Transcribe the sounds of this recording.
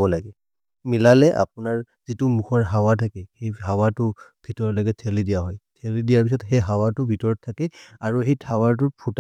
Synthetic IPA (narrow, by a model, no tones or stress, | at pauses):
bɔlaɡɛ | milalɛʔa̰p̚ʊnaɹ | zitʊmuxʰɔɹɦawatʰakɛxejɦawatʊb̥ʱitɔɹɔlɔɡɛtʰelidijaɦɔjtʰelidijaɹpis̬ɔtxejɦawatʊbʱitɔɹɔtʰːakɛaɹuɦejtʰawaɹt̬ʊpʰut